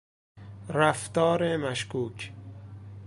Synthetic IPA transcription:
ɾæft̪ɒːɾemæʃkuːkʰ

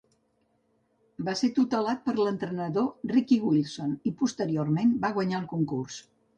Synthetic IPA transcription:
baset̪ut̪əlat̪̚pəɾlənt̪ɾənəðorikiɣwilˠsonipust̪əɾiormenbaɣwəɲaəlˠkuŋkurs

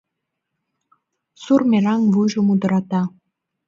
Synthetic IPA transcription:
surmʲeɾɑŋvuʒŭmud̪ɤ̆ɾɑt̪ɑ

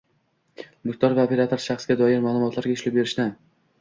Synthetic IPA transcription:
mɪkt̪ʰɒɾvaopʰe̞ɾat̪ʰoɾʃaχsɡʲad̪ɒjɪɾmaːlˠʊmɒt̪ʰlaɾɡʲaʊʃlɪp̚be̞ɾɪʃt̪an

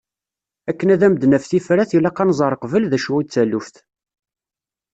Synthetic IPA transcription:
ækːənæðæməd̪nəfθifɾæθilɑqɑnzˤɑɾˤəqvəlðæʃuwit͡sːælufθ

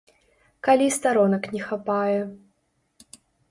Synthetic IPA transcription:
kalʲist̪aɾɔnɐknʲɛxapajɛ

